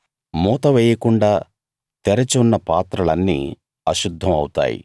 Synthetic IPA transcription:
mɔːt̪ɐʋɛːjɐkuɳɖaː | t̪eɾɐt͡ʃunːɐpaːt̪ɾɐlɐnːḭː | ɐʃud̪ʱːɐmɐ̰wt̪a̰ːjḭ

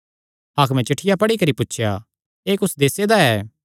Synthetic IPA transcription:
aːkmɛ̃t͡ʃɐʈʰːɪjapɐɽikɐɾipʊtːʃʰja̰ | eːkʊsd̪eːsed̪aɛː

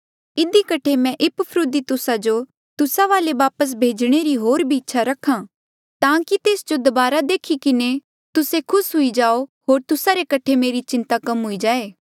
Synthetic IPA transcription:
ɪd̪ikɐʈʰemɛ̃ʔɪppʰɾʊd̪it̪ʊsad͡ʒo | t̪ʊsaʋaːleʋaːpəs̬bʱeːd͡ʒɽ̃eɾiɦoːɾbʱiɪtːʃʰaɾɐkʰã | t̪ãːkit̪eːsd͡ʒod̪ɐbaːɾad̪eːkʰikɪne | t̪ʊsekʰʊsɦʊid͡ʒaːoɦoːɾt̪ʊsaɾekɐʈʰemeːɾit͡ʃɪ̃nt̪akɐmɦʊid͡ʒaːeː

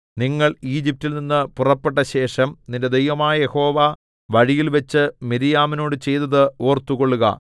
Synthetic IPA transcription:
niŋːɐɭiːd͡ʑip̚tːilninːɨpurɐpːeʈːɐɕe̞ːʂɐmninde̞d̪ejʋɐmaːjɐje̞ho̞ːʋa | ʋɐɻijilʋɐt͡ɕːɨmiɾijaːmino̞ːɽɨt͡ɕe̞jt̪ɐðɨo̞ːrt̪ːuɣo̞ɭːuɣɐ̰

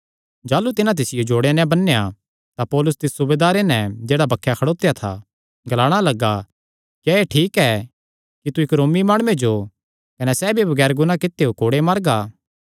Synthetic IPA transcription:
d͡ʒaːlut̪ɪnãt̪̬ɪsɪjod͡ʒoːɽenɛ̃bɐnːeja | t̪apɔːlʊst̪ɪssʊbeːd̪aːɾenɛ̃d͡ʒeːɽabɐkʰːjakʰɐɽoːt̪jat̪ʰa̰ | ɡɐlaːɽ̃alɐɡːa | kjaeʈʰiːkɛ | kit̪uɪkɾoːmimaːɽ̃ʊed͡ʒo | kɐnɛsɛːbʱibɐɡɛːɾɡʊnãkɪt̪ːeokoːɽemaːɾɡaː

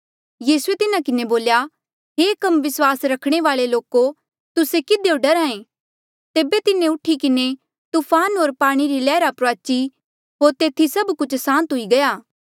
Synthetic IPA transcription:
jiːsuet̪ɪnakɪneboːlja | ɦeːkɐmʋɪswaːsɾɐkʰɽ̃eʋaːɭeloːko | t̪ʊsekɪd̪eoɖɐɾaːẽ | t̪eːbet̪ɪneʊʈʰikɪne | t̪uːpʰaːnɦoːɾpaːɽ̃iɾilɛːɾapɾaːt͡ʃi | ɦoːɾt̪eːt̪ʰisɐbkʊt͡ʃʰsãːnt̪ɦʊiɡɐjaː

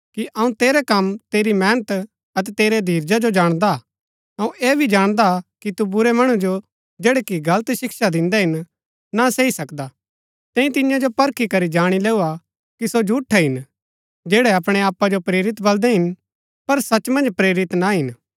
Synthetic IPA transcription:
kiʔɐũt̪eːɾɛkɐmt̪eːɾimɛ̃ːnət̪ | ɐt̪ɛt̪eːɾed̪ʱiːɾd͡ʒad͡ʒod͡ʒaːɽ̃d̪a | ɦɐ̃ũʔeːbʱid͡ʒaːɽ̃d̪akit̪ubʊɾɛmɐɽ̃ud͡ʒo | d͡ʒeːɽɛkiɡɐlət̪ʃɪkʃad̪ɪ̃nd̪ɛɦɪn | naseisɐkd̪a | t̪ɛ̃ːĩt̪ɪjãd͡ʒopɐɾkʰikɐɾid͡ʒaːɽ̃ilɛːua | kisod͡ʒʱuːʈʰːɛɦɪn | d͡ʒeːɽɛɐpɽ̃eaːpːad͡ʒopɾeːɾɪt̪bɐld̪ɛɦɪn | pɐɾsɐt͡ʃmɐ̃nd͡ʒpɾeːɾɪt̪naɦɪn

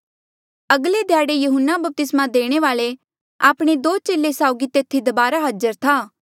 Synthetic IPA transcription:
ɐɡled̪ʱjaːɽejʊɦənːabəp̚t̪ɪsmad̪eːɽ̃eʋaːle | aːpɽ̃ed̪oːt͡ʃeːlːesaːʊɡit̪eːt̪ʰːid̪ɐbaːɾaɦəd͡ʒəɾt̪ʰaː

